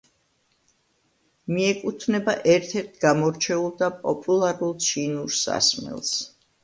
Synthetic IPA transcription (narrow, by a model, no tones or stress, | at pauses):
miɛkʼut̪ʰnɛbaʔɛɾt̪ʰɛɾt̪ʰɡamɔɾt͡ʃʰɛulˠd̪apʼɔpʼulˠaɾulˠt͡ʃʰinuɾsa̰smɛ̰lˠs